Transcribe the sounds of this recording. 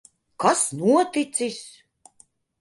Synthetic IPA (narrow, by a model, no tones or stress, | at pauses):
kasnuɔt̪it̪sisʲ